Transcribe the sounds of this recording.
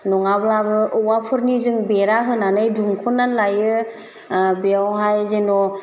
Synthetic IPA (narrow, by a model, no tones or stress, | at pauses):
nɔŋababɯʔuwapʰɯɾnizɯŋbeɾaɦɯnanɯjdumkʰunːanlajɯ | beawɦajzenɔ